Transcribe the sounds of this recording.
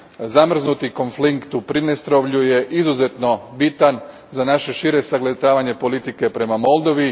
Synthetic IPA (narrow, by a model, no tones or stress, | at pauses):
zamr̩znut̪iko̞nflikt̪upɾinest̪ɾo̞ʋʎuje̞ʔizuze̞t̪no̞bit̪an | zanaʃe̞ʃiːɾe̞saɡlet̪aːʋaɲe̞po̞lit̪ike̞pɾe̞mamo̞lˠd̪o̞ʋi